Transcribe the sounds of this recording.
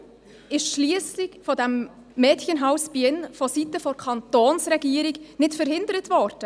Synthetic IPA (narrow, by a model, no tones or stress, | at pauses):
ɪʃʃliːəslɪçfɔdɛmː | ɛːtçənɦaʊsb̥iɪnfɔsitəfɔɾkʰɑntoːnsɾɛɡiːəɾɪɡnɪtfəɾhɪndəɾətvɔɾd̥ə